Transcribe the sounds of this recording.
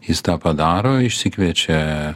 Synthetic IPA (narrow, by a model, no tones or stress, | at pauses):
jɪst̪ɑːpɐd̪ɑːɾoːɪʃʲsʲɪkʋʲiɛt͡ʃʲɛ